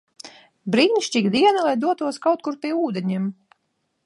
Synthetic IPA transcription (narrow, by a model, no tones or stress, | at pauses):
bɾiːnʲʃt͡ʃʲiɡd̪iɛnalˠajd̪uɔt̪uɔskawt̪̚kuɾpʲiɛuːd̪eɲiɛm